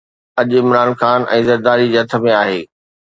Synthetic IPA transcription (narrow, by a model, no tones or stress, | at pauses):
ɐʄɪmɾaːnxaːnʔɛ̃ːzɐɾd̪aːɾid͡ʑeɦɐt̪ʰə̆mẽaːɦeː